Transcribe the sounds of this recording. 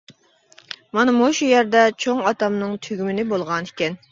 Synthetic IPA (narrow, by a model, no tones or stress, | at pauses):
mɑnɨmoʃujæɾd̪ɛt͡ʃʰoŋɑt̪ɑmnɨŋt̪ʰyɡʲymɪnɪbolˠʁɑni̥kʲɛn